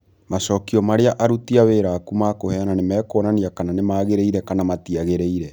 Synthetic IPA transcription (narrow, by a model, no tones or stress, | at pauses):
maʃɔkiɔmaɾeaʔaɾutiaweːɾakumakohɛnanemɛːkɔːnaniakananemaːɣeɾeiɾɛkanamatiaɣeɾeiɾɛ